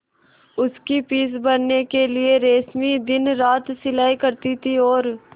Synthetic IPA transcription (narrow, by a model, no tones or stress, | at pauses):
ʊskipiːs̬bɐɽnekelieɾeːsmid̪ɪnɾaːt̪sɪlaːikɐɾt̪it̪ʰiɔːɾ